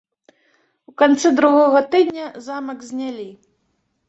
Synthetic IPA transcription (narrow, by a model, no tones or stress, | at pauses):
wkant̪sɨd̪ɾuɣɔɣɐt̪ɨd̪ʲnʲɐzamɐɡzʲnʲalʲi